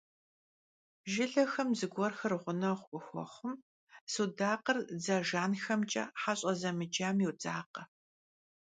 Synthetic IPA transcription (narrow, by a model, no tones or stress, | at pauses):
ʒɪɮɐxɐmzɨɡʷɔrxɐrʁʷʊnɐʁʷʔʼʊxʷɔ̰χʷʊm | sudaːqərd͡zɐʒaːnxɐmt͡ʃʼɐ̰ħaɕʼɐzɐmɨd͡ʒaːmjiwd͡zaːqɐ